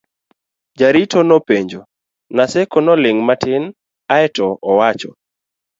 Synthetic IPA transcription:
d͡ʒaɾitonɔpeɲd͡ʒo | nasɛkɔnɔlɪŋmatɪn | aɛtɔɔwat͡ʃɔ

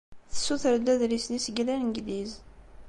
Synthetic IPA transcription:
θə̥suθəɾd̪æðɾisnisəɡlænnɡðiz

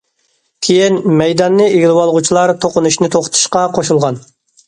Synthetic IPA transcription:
kʲʰejinmɛjd̪ɑnːɨeɡʲilˠɪwɑlˠʁut͡ʃʰilˠɑɾt̪ʰoqʊnuʃnɪt̪ʰoχt̪ʰu̥ʃqɑqʰoʃulˠʁɑn

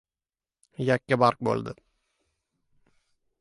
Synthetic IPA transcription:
jakʲːabaɾk̚bo̰lˠd̪ɪ

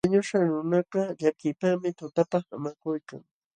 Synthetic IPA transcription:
aɲʊʃaŋɾʊnaɢɑʎakɪpamɪt̪ʊt̪apɑχa̰makʊjka̰ŋ

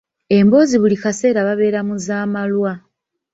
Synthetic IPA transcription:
e̞mbo̞ːziβulikase̞ːɾaβaβe̞ːɾamuzaːmalwa

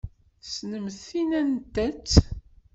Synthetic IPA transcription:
snəmθinænt̪ːæt͡sː

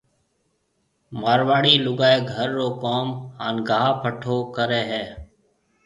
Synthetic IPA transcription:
maːɾʋaːɽiːlʊɡaːeːɡʱəɾːoːkoːmhaːnɡaːɦaːpʰəʈʰoːkəɾeːɦɛː

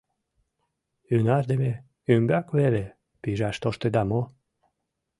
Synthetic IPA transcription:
ynɑrd̪eme | ymbakβele | piʒɑʃt̪oʃt̪ed̪amo

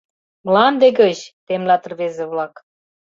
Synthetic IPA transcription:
mlɑnd̪eɡɤ̆t͡ɕt̪emlʲɑt̪ə̆rβezeβlɑk

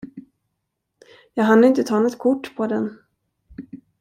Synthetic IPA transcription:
jɑːɡɦand̪əɪnt̪ət̪ʰɑːnɔt̪kʰʊʈːpʰɔd̪ɛn

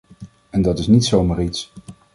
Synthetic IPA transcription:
ɛndɑtɪsnitsowmaːrits

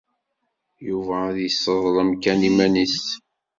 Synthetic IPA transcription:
juvæːðjəsːəðˤlˤəmkænimænis

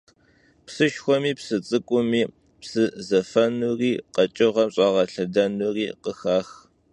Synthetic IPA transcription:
psɨʃxʷɔmiːpsɨt͡sʼɨkʷʼʊmiː | psɨzɐfɐnuːriːqɐt͡ʃʼɪʁɐmɕʼɑːʁɐɬɐdɐnuːriːqəxaːx

